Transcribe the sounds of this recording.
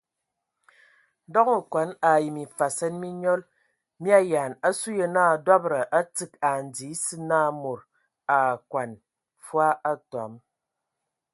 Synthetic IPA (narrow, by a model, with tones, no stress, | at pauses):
dɔ˦ku˨kʷa˨˦na˨ji˨mi˨fa˨sɛ˦nmi˦ɲɔ˦l | mi˦a˦ja˨na˦su˦je˨naː˦˨dwa˦bɾə˨ʔa˦t͡sɨ˨ka˨n̩˨d͡zi˨˦sɨ˦naː˦˨mo˨ɾ | a˨kwa˨n | fwa˦a˦ta̰˨˦m